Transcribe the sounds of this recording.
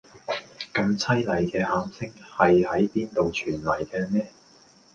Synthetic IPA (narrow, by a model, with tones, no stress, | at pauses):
kɐ˧mt͡sʰɐ˥jlɐ˨˩jkɛː˧haː˨˥msɪ˥ŋhɐ˨jhɐ˨˥jpiː˥nt̪o˨wt͡ʃʰyː˨˩nlɐ˨˩jkɛː˧mɛː˥